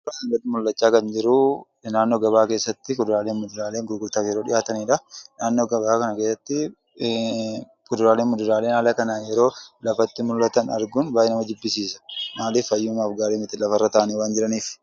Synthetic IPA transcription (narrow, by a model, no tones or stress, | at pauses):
ɾaːɡɐd̪ɪmʊlːɐt͡ʃːaːkɐnd͡ʒɪɾʊ | naːnːoːɡɐbaːke̞ːsːɐt̪ːɪkʊd̪ʊɾaːleːnmʊd̪ʊɾaːleːŋɡʊɾɡʊɾt̪aːfjɛɾo̞ːᶑɪ̰jaːt̪ɐniːᶑɐnaːnːo̞ːɡɐβaːkɐnɐke̞ːsːɐt̪ːɪ | kʊd̪ʊɾaːleːnmʊd̪ʊɾaːle̞ːnaːlɐkɐnaːjɛɾo̞ːlɐfɐt̪ːɪmʊlːɐt̪ɐnɐ̰ɾɡʊnbaːjɛnɐmɐd͡ʒ̪ɪbːɪsiːsɐ̥maːlɪfɐjːʊmaːfɡaːleːmɪt̪ɪlɐfɐrːɐt̪aːʔɐniwaːnd͡ʒɪɾɐniːf